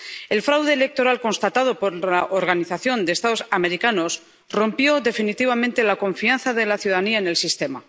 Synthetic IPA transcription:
e̞lfɾawðe̞ːle̞k̚t̪o̞ɾalko̞nst̪at̪að̞o̞po̞ɾlaʔoɾɣaniθaθjo̞nd̪est̪aðo̞same̞ɾikano̞s | ro̞mpjo̞ðe̞finit̪iβ̞amẽnt̪e̞lako̞ɱfianθaðe̞laθjuðaaniaene̞lsist̪e̞ma

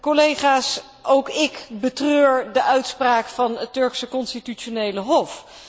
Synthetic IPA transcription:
kolejχaːs | ʔowkɪkbətrøːɹdəʔœɥtspraːkfɑnəttɵɹksəkɔnstityonejləɦɔf

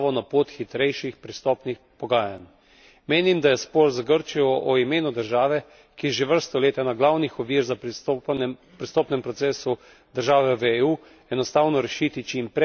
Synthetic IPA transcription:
ʋɔnapoːt̪xit̪ɾɛjʃixpɾist̪ɔːpnixpɔɡaːja̰n | meːnimd̪ajɛspɔːɾzaɡəɾt͡ʃijɔʔɔimeːnud̪əɾʒaːʋɛ | kijʒeʋəɾst̪ɔleːt̪anaɡlawnixɔʋiːɾza | pɾist̪ɔːpnɛmpɾɔseːsu | d̪əɾʒaːʋɛʋeuː | ɛnɔst̪aːwnɔɾɛʃiːt̪it͡ʃimpɾɛ

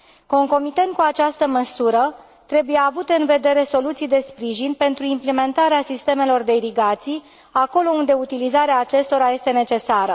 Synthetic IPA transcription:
ko̞ŋko̞mit̪ənd̪̚kuat͡ʃast̪əməsuɾə | t̪ɾe̞buje̞avut̪e̞ɨnve̞d̪e̞ɾe̞so̞lut̪sijd̪e̞spɾiʒinpe̞nt̪ɾuimpleme̞nt̪aɾeasist̪e̞me̞lo̞rd̪e̞iɾiɡat̪sij | ako̞lo̞und̪e̞ut̪ilizaɾeaːt͡ʃe̞st̪o̞ɾaje̞st̪e̞ne̞t͡ʃe̞saɾə

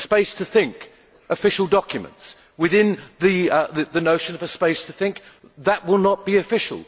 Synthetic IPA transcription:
speɪstʰəθɪ̃ŋk | ʔəfɪʃl̩ˠdɑkjɨmə̰̃nts | wɨðɪ̃nðɨðɨðɨnoʊʃɨ̃nʌvɨspeɪstʰəθɪ̃ŋk̚ | ðəʔ̚wɪlˠnət̚b̥iɨfɪʃə̰l̩ˠ

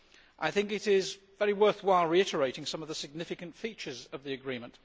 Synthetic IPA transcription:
ʔaɪθɪ̃ŋkɨɾɪz | vɛɹiwɜ˞θwaɪlˠɹiɪɾə˞eɪɾɪ̃ŋsʌ̃mʌvðəsɨɡ̚nɪfɨkɨ̃ntfit͡ʃə˞zʌvðiɨɡɹĩmə̃nt

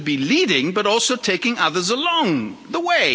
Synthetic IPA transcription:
biliɾɪ̃ŋbʌɾɔlˠsoʊtʰeɪkɪ̃ŋʌðə˞zəlɔ̃ŋðəweɪ

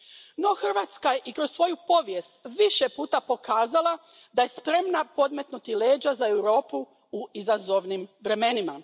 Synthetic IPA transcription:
no̞xr̩ʋaːt̪skaje̞ʔikɾo̞ssʋo̞jupo̞ʋjest̪ʋiʃe̞puːt̪apo̞kaːzalˠa | d̪aje̞spɾe̞mnapo̞d̪met̪nut̪ile̞ːd͡ʑazae̞wɾo̞ːpu | uizazo̞ʋnimʋɾe̞me̞nima

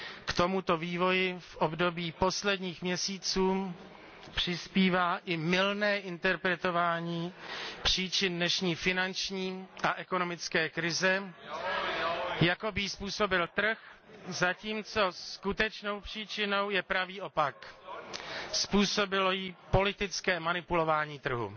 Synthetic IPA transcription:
kt̪o̞mut̪o̞viːvo̞jɪfʔobdo̞biːpo̞slɛdɲiːxmɲɛsiːt͡suː | pr̝̥ɪspiːvaːʔɪmɪlnɛːʔɪnt̪ɛɾpɾɛt̪o̞vaːɲiːpr̝̥iːt͡ʃɪndnɛʃɲiːfɪnant͡ʃɲiːʔaʔɛkono̞mɪt͡skɛːkɾɪzɛ | jako̞bɪjispuːso̞bɪlt̪r̩x | zaciːmt͡so̞sskut̪ɛt͡ʃno̞wpr̝̥iːt͡ʃɪno̞wjɛpɾaviːʔo̞pak | spuːso̞bɪlo̞jipo̞lɪt̪ɪt͡skɛːmanɪpulo̞vaːɲiːt̪r̩ɦṵ

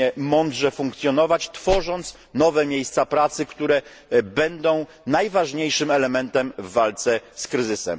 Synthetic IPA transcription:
ɛmɔnd̪ʐɛfuŋkt̪sʲjɔnɔvat͡ɕt̪fɔʐɔnt̪s | nɔvɛmʲjejst̪sapɾat̪sɘkt̪uɾɛ | bɛnd̪ɔ̃w̃ | najvaʐɲejʂɘmɛlɛmɛnt̪ɛmvːalt̪sɛskɾɘzɘsɛ̰m

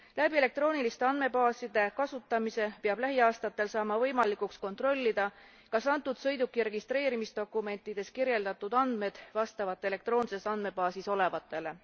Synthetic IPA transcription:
læbiele̞k̚t̪ro̞ːnilist̪e̞ɑnme̞bɑːsid̪̥e̞kɑsut̪ːˑɑmise̞peɑb̥læɦiɑːst̪ɑt̪ːˑe̞lsɑːmɑvɤjmɑlikˑuksko̞nt̪ro̞lʲːid̪̥ɑ | kɑsɑnt̪ːˑud̪sɤ̞jd̪ukːˑirɾe̞ɡ̥ist̪re̞ːɾimisd̪̥o̞kˑːume̞nt̪ːˑid̪̥e̞skirje̞ld̪ɑt̪ːˑud̪̥ɑnd̪̥me̞d̪̥vɑst̪ɑvɑt̪ːˑe̞le̞kt̪ro̞ːnse̞sɑnd̪̚me̞bɑːsiso̞le̞vɑt̪ːˑe̞le̞

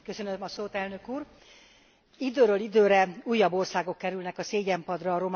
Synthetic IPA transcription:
køsønømɒsoːt̪ɛlnø̞kuːr | id̪øːɾøːlid̪øːɾɛuːjːɒbːo̞rsaːɡokːɛɾylnɛkɒseːɟɛmpɒd̪rɒːɾo̞m

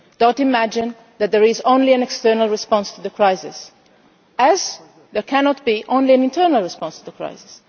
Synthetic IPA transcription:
d̥ɔtɪmæd͡ʒɪ̃n | ðæt̪̚ðɛɹɪzõnliæ̃nɛkstɜɹnalˠɹɪspɔ̃nstuðəkʰɹaɪsɪ̰s | æz | ðəɹkʰænɔt̪̚biʔõʊ̃nliæ̃nɪ̃ntʰɜɹnalˠɹɪspɔ̃nst̪uðəkʰɹa̰ɪsɪ̥s

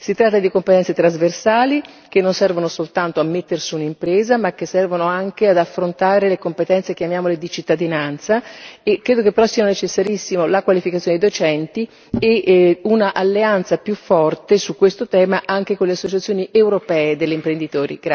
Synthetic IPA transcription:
sit̪ɾat̪ːad̪ikompet̪ɛnt̪set̪ɾazversaːli | k̟enːonsɛrvonosolt̪ant̪oamːet̪ːersiunimpɾeːzamak̟ːesːɛrvonoaŋk̟ead̪afːɾont̪aːɾelekompet̪ɛnt̪sek̟eamjaːmoled̪it͡ʃit̪ːad̪inant̪saekːɾeːd̪okepːeɾɔsːiːanonet͡ʃesːaɾisːimolakwalifikat̪joned̪id̪ot͡ʃɛnt̪i | eunaʔalːeant̪sapjufːɔrt̪esukːwest̪ot̪ɛːmaʔaŋk̟ekonleasːot͡ʃat̪sjoːniʔewɾopɛːed̪elːeimpɾend̪it̪oːɾḭɡa

